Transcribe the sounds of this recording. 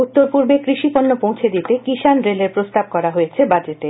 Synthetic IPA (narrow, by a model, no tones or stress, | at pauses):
ut̪ːoɾpuɾbekɾiʃiponːopõw̃t͡ɕʰed̪it̪ekiʃanɾeleɾpɾost̪ab̚kɔɾaɦojet͡ɕʰebad͡ʑet̪e